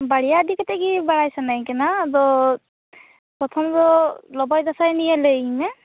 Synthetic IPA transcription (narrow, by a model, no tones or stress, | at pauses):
baɽijaːd̪ikat̪eɡibaɽajsanajkɛnad̪ɔ | pɔt̪ʰɔmd̪ɔlɔbɔjd̪asajnijaleimɛ